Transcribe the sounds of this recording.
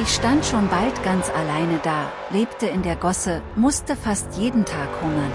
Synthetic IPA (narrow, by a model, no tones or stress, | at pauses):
ʔɪçʃtantʃoːnbaltɡ̥ant͡salaɪnədaː | leːptəɪndeːɐɡɔsəmʊstəfastjeːdn̩tʰaːkhʊmɐn